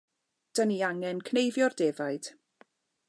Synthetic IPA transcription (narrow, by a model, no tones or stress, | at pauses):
d̥əniaŋɛnkʰnejvjɔrdeːvajd̥